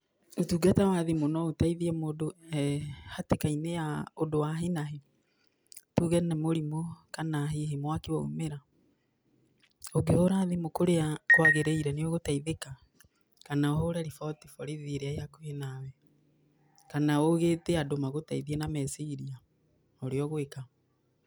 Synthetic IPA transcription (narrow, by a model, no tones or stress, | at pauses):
otuːɡatawaðemonɔotaiðiɛmodo | hatekainejaodowaɦenaɦe | tuɣɛnɛmoɾimɔkanaɦeɦemwakewɔṵmeɾa | oɡehoɾaðemokoɾeakwaɣeɾeiɾɛneɔɣotaiðeka | kanaɔɦoɾɛɾifɔtifɔɾeðeɾeaeakohenawɛ | kanaoɣeːteadomaɣotaiðiɛnamɛsiiɾia | oɾeɔɣoeka